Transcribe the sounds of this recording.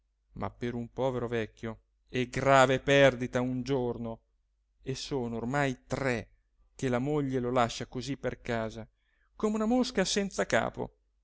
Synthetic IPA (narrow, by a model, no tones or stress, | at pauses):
mʔa̰pːeɾumpɔːveɾovɛkʲːjo | ɛɡɾaːvepɛrd̪it̪aund͡ʒorno | esoːnoːrmajt̪rɛ | k̟elamoʎːelolaʃːakozipːerkaːza | komeunamoskasɛnt̪saka̰ːpo̰